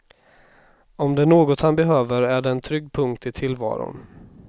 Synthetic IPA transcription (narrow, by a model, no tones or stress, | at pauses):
ɔmd̪ɛɳoːɡɔt̪hanbɛɦøːvəɾæɖɛːnt̪ʰɾʏɡːpʰɵŋk̚t̪ɪt̪ʰɪlvɑ̰ːɾʊ̰n